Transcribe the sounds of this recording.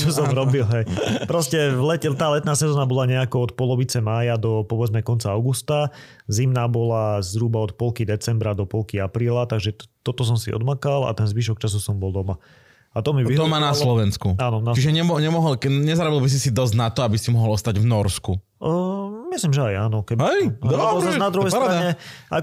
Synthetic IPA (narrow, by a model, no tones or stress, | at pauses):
t͡ʃɔsɔmɾɔbilˠɦɛjpɾɔscɛvlɛt̪aːlɛt̪̚naːsɛzɔːnabɔlaɲɛakɔɔt̪̚pɔlɔʋit͡sɛmaːjad̪ɔpɔʋɛd͡zmɛkɔnt͡saaʊɡust̪a | zimnaːbɔlazɾubaɔt̪pɔlkid̪ɛt͡sɛmbɾad̪ɔpɔlkiapɾiːlat̪aɡʒɛt̪ɔt̪ɔs̬ɔmsiʔɔ̰d̪makala̰t̪ɛnzʋiːʃ̬ɔkt͡ʃas̬usɔmbɔlˠd̪ɔma | at̪ɔmiʋiɦɔmanalslɔʋɛnskuaːnɔnat͡ʃiʒɛɲɛmɔɲɛmɔɦɔlɲɛzaɾabilbis̬isid̪ɔzɟnat̪ɔabisimɔɦɔlˠɔst̪aɟvnɔɾsku | mislimʒɛajaːnɔkɛbɛjɔzanad̪ɾuɦɛjsɾaɲɛʔa̰k